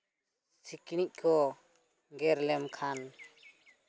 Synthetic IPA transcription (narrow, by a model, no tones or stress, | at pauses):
sikñiʔ̚kʰɔ | ɡɛɾlɛmkʰan